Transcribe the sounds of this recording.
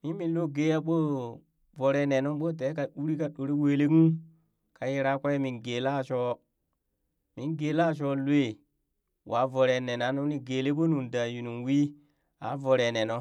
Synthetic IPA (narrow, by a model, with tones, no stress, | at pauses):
mi˦mi˨nlo˦ɡe˦ja˦ɓo˦ | vo˨ɾe˨ne˨no˦ɓo˦t̬e˨˦ka˨ɗu˦ɾi˦ka˨ɗo˨ɾi˦we˨le˦ɡu˦ | ka˨ji˦ɾa˦ka˦je˦mi˨nɡe˨la˦˨t͡ʃɔ˦ | mi˨nɡe˨˦la˦˨t͡ʃo˦lwe˦˨ | wʔa˨˦vo˨ɾe˨ne˨na˨˦nu˦ni˦ɡe˨le˦ko˦nu˨nda˨ju˨nu˨nwi˦ | a̰˨˦vo˨ɾe˨ne˨no˦